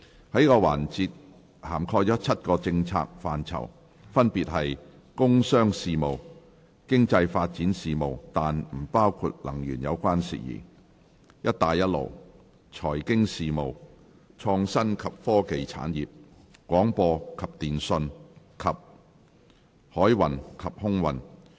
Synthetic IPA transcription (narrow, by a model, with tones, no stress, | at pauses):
hɐ˨˥jkɔː˧wa̰ː˨˩nt͡siː˧t̚ | haː˨˩mkʰɔː˧jt͡ʃɔː˨˥t͡sʰɐ˥t̚kɔː˧t͡sɪ˧ŋt͡sʰa̰ː˧k̚faː˨nt͡sʰɐ̰˨˩w | fɐ˥npiː˨t̚ɦɐ˨j | kʊ˥ŋsœː˥ŋsiː˨mo˨˩w | kɪ˥ŋt͡sɐ˧jfaː˧t̚t͡siː˨˥nsiː˨mo˨˩wt̪aː˨nm̩˨˩paː˥wkʰuː˧t̚lɐ̰˨˩ŋjy̰ː˨˩njɐ˨˧wkʷaː˥nsḭː˨˩jḭː˨˩ | jɐ˥t̚t̪aː˨jːɐ˥t̚lo̰˨˩w | t͡ʃʰɔː˨˩jkɪ˥ŋsiː˨mo˨˩w | t͡ʃʰɔː˧ŋsɐ˥nkʰɐ˨p̚fɔː˥ke˨jt͡sʰa̰ː˨˥njiː˨p̚ | kʷwʷɔː˨˥ŋpɔː˧kʰɐ˨p̚t̪iː˨˩nsɵ˧n | kʰɐ˨p̚ | hɔː˨˥jwɐ˨nkʰɐ˨p̚hʊ˥ŋwɐ˨n